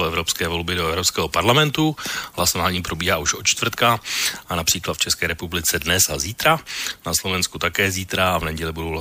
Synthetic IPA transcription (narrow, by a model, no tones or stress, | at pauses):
oɛvɾo̞pskɛːvo̞lbɪdoɛvɾo̞pskɛːɦo̞paɾlamɛnt̪ulasonaːlɲiːpɾo̞biːɦaːuʃʔott͡ʃt̪vr̩t̪kaʔanapr̥iːklat̪ft͡ʃɛskɛːɾɛpublɪt͡sɛdnɛsaziːt̪ɾanaslovɛnskut̪akɛːziːt̪ɾaavnɛɟɛlɪbudowla